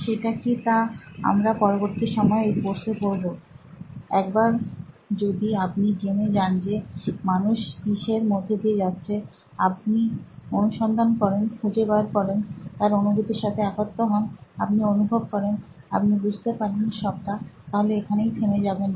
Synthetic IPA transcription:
ʃeʈakit̪aa̰mɾapɔɾoboɾt̪iʃɔmɔeejpoɾsepoɾbo | ɛkbaɾd͡ʑod̪iap̚nid͡ʑemed͡ʑand͡ʑemanuʃd̪iʃeɾmod̪ʱːed̪ied͡ʑatːɕʰe | ap̚nionuʃɔnd̪ʱankɔɾenkʰud͡ʑebaɾkɔɾent̪aɾonubʱut̪eɾʃat̪ʰeakot̪ːoɦɔnapnionubʱob̚kɔɾen | a̰p̚nibud͡ʑʱt̪epaɾinʃɔb̚ʈat̪aɦoleekʰanejt̪ʰemed͡ʑaben

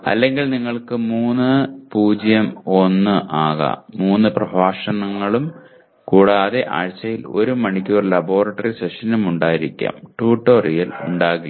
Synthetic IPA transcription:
ɐ̰lːe̞ŋɡilniŋːɐɭkɨmuːnːɨpuːd͡ʑjɐmo̞nːɨʔaːɣɐ̰muːnːɨprɐbʱaːʂɐnɐŋːɐɭum | kuːɽaːðeʔa̰ːɻt͡ɕːɐjilo̞̰ɾumɐɳikʲːuːrlɐbo̞ːrɐʈːɐriseʂɐnumuɳɖaːjiɾikʲːa̰ːmʈuːʈːo̞ːrijilṵɳɖaːɣi

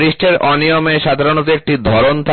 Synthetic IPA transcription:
ɾiʃʈʰeɾʔɔnijomeʃad̪ʱaɾonot̪ek̚ʈid̪ʱɔɾont̪ʰa

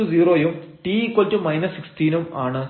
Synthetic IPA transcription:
uziːroːjumʈiːkːwoltumɐjnɐsːiksʈiːnumaːɳɨ

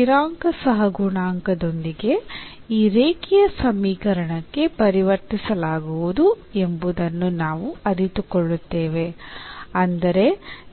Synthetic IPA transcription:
iɾaːŋkɐsɐɦɐɡuɳaːŋkɐd̪o̞nd̪iɡe̞ | iːɾeːkijɐsɐmːiːkɐɾɐɳɐkːe̞pɐɾiʋɐɾt̪isɐlaːɡuʋud̪u | e̞mbud̪ɐnːunaːʋuɐɾit̪ukɔɭːut̪ːe̞ːʋe̞ | ɐnd̪ɐɾe̞

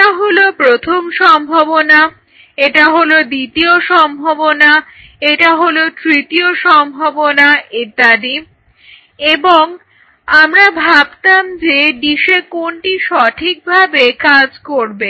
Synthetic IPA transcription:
ʈaɦolopɾot̪ʰomʃɔmbʱabona | eʈaɦolod̪it̪ioʃɔmbʱobona | eʈaɦolot̪ɾit̪ioʃɔmbʱobonaʔed̪ad̪i | eboŋ | amɾabʱab̚t̪amd͡ʑeɖiʃekoɳʈiʃɔʈʰik̚bʱabekad͡ʑkoɾbe

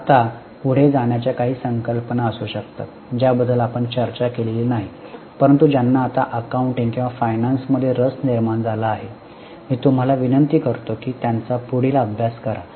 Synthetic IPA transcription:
at̪a | puɽ̤ed͡zaɳjat͡ɕjakaɦiːsəŋkəlpənaəsuːɕək̚t̪a̰t̪̚d͡ʑjabəd̪ʱːəlapəɳt͡ɕəɾt͡ɕakelilnaɦi | pəɾənt̪ud͡ʑjanːaːt̪a̰ʔəkauɳʈĩŋɡkĩw̃ʋafajnansməd̪ʱːjeɾəsniɾmaɳd͡zalaːɦe | miːt̪um̤alaʋinənt̪iːkəɾt̪okiːt̪jant͡sapuɽ̤iːlaəbʱjaskəɾa

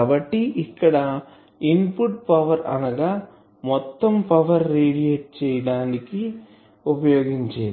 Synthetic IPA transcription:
aːbɐʈːiʔikːɐɽɐ | inpuʈ̚pɐʋɐɾɐ̰nɐɡaː | mɔt̪ːɐmpɐʋɐɾːeːɽijeːʈ̚t͡ʃɛːjɐɽaːniki | upɐjoːɡiɲt͡ʃeː

